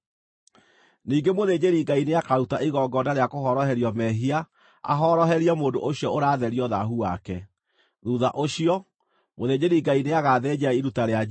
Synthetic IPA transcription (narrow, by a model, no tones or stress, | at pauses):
niːŋɡemoðeːd͡ʑeɾiɡaineakaɾutaʔiɣɔɡɔnaɾeakoɦɔɾɔhɛɾiɔmɛɦia̰ː | ɦɔɾɔɦɛɾijamoːndoʔoɕjɔoɾaːðɛɾiɔðaɦuwakɛ | ðuðaʔoɕiɔ | moðeːd͡ʑeɾiɡaineaɣaːðɛd͡ʑaiɾutaɾea